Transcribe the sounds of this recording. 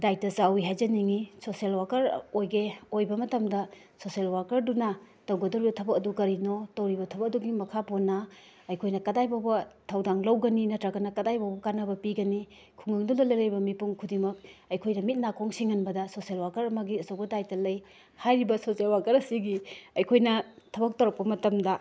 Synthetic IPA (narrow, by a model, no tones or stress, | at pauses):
dajtɐzawiɦajzɐniŋisoselwakɐɾojɡeojbɐmɐtɐmdɐ | soselwakɐɾdunɐ | tɐwɡɐdoɾibɐtʰɐbɐkɐdukɐɾinotɐwɾibɐtʰɐbɐk̚duɡimɐkʰaponːɐ | ɐjkʰojnɐkɐdajbawbɐtʰɐwdaŋlɐwɡɐninɐtɾɐɡɐnɐkɐdajbawbɐkanɐbɐpiɡɐni | kʰuŋɡɐŋdulɐlɐjlɐjbɐmipuŋkʰudimɐk̚ɐjkʰojnɐmit̚nakʰoŋsiŋɐnbɐdɐsoselwakɐɾɐmɐɡiɐsowɡɐdajtɐlɐj | hajɾibɐsosielwakɐɾɐsiɡiɐjkʰojnɐtʰɐbɐk̚tɐwɾɐk̚pɐmɐtɐmdɐ